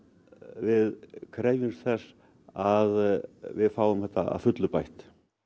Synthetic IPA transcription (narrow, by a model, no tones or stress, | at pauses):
vɪðkʰɾeːjvʏmθɛs | aðvɪðfaːwʏmhɛht̪aa̰ðfʏt̪lʏpajht̪